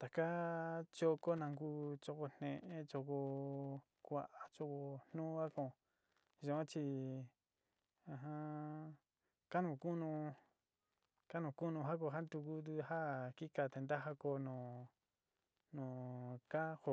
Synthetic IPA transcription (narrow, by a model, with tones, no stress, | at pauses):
t̪a˨ka˦t͡ʃo˦˧ko˦nã˧ŋɡuː˦˧t͡ʃo˧ko˧n̥ẽ˧ʔẽ˦t͡ʃo˧ko˧ | kʷa˧ʔa˨t͡ʃo˧ko˧n̥nũ˦a˦kõ˧˨ | ʒõ˧õ˦t͡ʃi˧ | ã˧ɦã˧ | ka˦nũ˧˨ku˦nũ˧ | ka˦nũ˧˨ku˦nũ˧ɦa˦k̬o˧˨ɦa˦nt̪u˧ku˦t̪̬u˧ha˦˨ki˦ka˧˨t̪e˨˧nd̪a˦ɦa˦ko˧nõː˨ | nõː˨ka˦ho˧˨